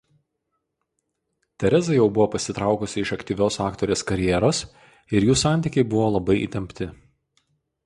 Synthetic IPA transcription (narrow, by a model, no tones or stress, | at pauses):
t̪ʲɛɾʲɛzɐjɛʊbʊʋoːpɐsʲɪt̪ɾɑˑʊkʊsʲɪɪʃɐkt̪ʲiːʋʲoːsɑːkt̪ɔːɾʲeːskɐɾʲɪjɛːɾoːs | ɪɾjuːsɑˑnʲt̪ʲiːˑkʲɛɪbʊʋoːlˠɐbɐɪʔḭːˑt̪ʲɛmʲpʲt̪ʲɪ